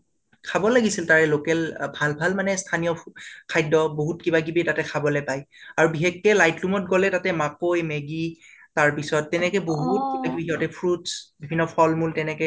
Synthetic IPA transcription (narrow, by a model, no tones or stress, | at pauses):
kʰabɔlaɡisiltaɹɛlokɛlbʱalbʱalmanɛstʰanijɔkʰajdɔboɦutkibaɡibitatɛkʰabɔlɛpajaɹubixekːɛlajtlumɔt̚ɡɔlɛtatɛmakojmɛɡitaɹpisɔtːɛnɛkɛboɦut̚kiɔtɛpʰɹutsbibʱinːɔpʰɔlmultɛnɛkɛ